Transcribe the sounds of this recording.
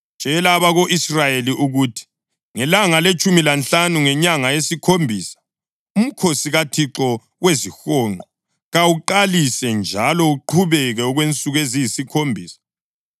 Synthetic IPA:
nʒ̥ʼʱɛlaβaɣoʔisrajeliʔuɣutʰi̥ | ŋɛlaŋalet͡ʃʼumilant͡ɬanuŋɛɲaŋajesikʰombʱiːsḁ | um̩kʰosiɣatʰiǁɔ | wezixɔːŋʱɔ | ɣawuǃalisɛnd͡ʒʱalɔuǃʰuβɛɣɛɔɣwent͡sʼuɣezijisikʰombʱiːsḁ

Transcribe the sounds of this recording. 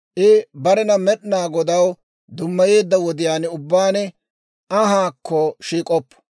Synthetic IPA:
ʔɪbɐɾɛnɐmɛɗnaːɡɔd̪ɐw | d̪ʊmːɐje̞ːd̪ːɐwɔd̪ɪjaːnʊbːaːnɛ | ʔɐɦaːkːɔʃiːkʼɔpːɔ̥

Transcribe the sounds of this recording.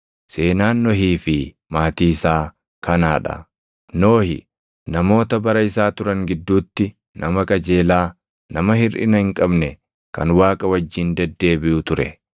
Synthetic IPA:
se̞ːnaːnːɔɦiːfɪ | maːt̪iːsaː | kɐnaːᶑɐ̰ | no̞ːhɪ̰ | nɐmo̞ːt̪ɐbɐɾɐɪsaːt̪ʊɾɐŋɡɪd̪ːuːt̪ːɪ | nɐmɐkʼɐd͡ʒe̞ːlaː | nɐmɐhɪɾʔɪ̰nɐhɪŋkʼɐbnɛ | kɐ̰nwaːkʼɐwɐd͡ʒːɪnd̪ɛd̪ːe̞ːbɪʔʊt̪ʊɾɛ̰

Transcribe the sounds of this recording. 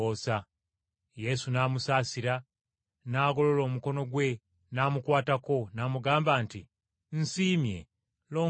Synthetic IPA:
oːsa | je̞sunaːmusaːsiɾa | naːɡo̞lo̞lo̞ːmuko̞no̞ɡwe̞ | naːmukwaːtako̞naːmuɡaːmbaːntḭ | n̩siːmje̞̰ | lo̞ː

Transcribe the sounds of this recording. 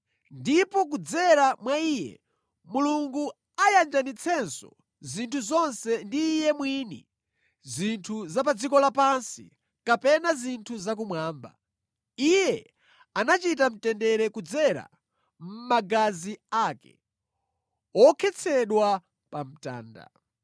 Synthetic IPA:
ndipɔk̬ud͡zɛɾamwaiːjɛ̰ | muluŋɡu | ajand͡ʒanit͡sʰɛnsɔ̰ | zintʰuzɔnsɛndiːjɛmwinḭ | zintʰuzapad͡zikɔlapansḭ | kapɛnazintʰuzak̬umwaːmba̰ | ijɛ | anat͡ʃit̬am̩tɛndɛɾɛkud͡zɛɾa̰ | m̩maɡaziaːkɛ̰ | ɔkʰɛt͡sʰɛɗwa | pam̩ta̰ːnda̰

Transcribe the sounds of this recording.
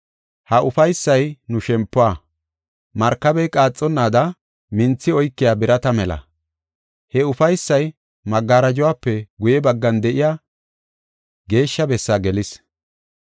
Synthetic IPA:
hɐʔʊfɐjsːɐjnʊʃɛmpːʊwa | mɐɾkːɐbɛjkʼaːt͡sʼːɔnːaːd̪ɐ | mɪnt͡sːɪɔjkːɪjaːbɪɾɐt̪ɐmɛlɐ̰ | hɛʊfɐjsːɐj | mɐɡːaːɾɐd͡ʒʊwaːpːɛɡʊjɛbɐɡːɐnd̪ɛʔɪjaː | ɡe̞ːʃːɐbɛsːaɡɛlɪs

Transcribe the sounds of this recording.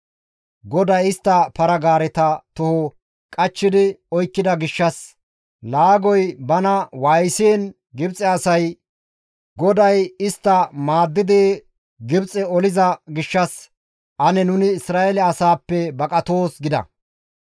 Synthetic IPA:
ɡɔd̪ɐjɪst̪ːɐpɐɾɐɡaːɾɛt̪ɐt̪ʊhɔ | kʼɐt͡ʃːɪd̪ɪɔjkːɪd̪ɐɡɪʃːɐs | laːɡɔjbɐnɐwajseːn | ɡɪbt͡sʼɛɐsɐj | ɡɔd̪ɐjɪst̪ːɐmaːd̪ːɪd̪e | ɡɪbt͡sʼɛɔlɪzɐɡɪʃːɐs | ʔɐnɛnʊnɪːsɾaːɛlɛɐsaːpːɛbɐkʼɐt̪oːsɡɪd̪ɐ̰

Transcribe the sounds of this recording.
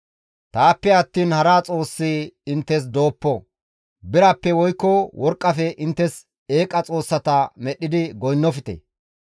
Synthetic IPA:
t̪aːpːɛɐt̪ːiːnhɐɾaːt͡sʼo̞ːsːiɪnt̪ːɛs̬d̪o̞ːpːɔ | bɪɾɐpːɛwɔjkːɔwʔɔɾkʼːɐfɛʔɪnt̪ːɛs | e̞ːkʼɐt͡sʼo̞ːsːɐt̪ɐmɛɗːɪd̪ɪɡɔjnːɔfɪt̪ɛ̰

